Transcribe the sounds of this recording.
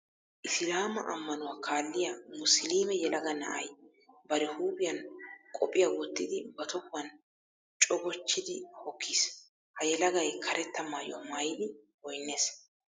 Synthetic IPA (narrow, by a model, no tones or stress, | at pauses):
ʔɪsɪlaːmɐ̰ʔɐmːɐnʊwaːkʰaːlːɪjamʊsliːmɛjɛlɐɡɐnɐ̰ʔɐj | bɐɾɛhuːbɪjɐnkʼɔpʼːɪjɐwɔt̪ːɪd̪ɪbɐt̪ɔkʊwɐn | t͡ʃʼɔɡɔt͡ʃːɪd̪ɪhɔkʰːiːs | hɐjɛlɐɡɐjkʰɐɾɛt̪ːɐmaːjɔmɐjd̪ɪwɔjnːe̞ːs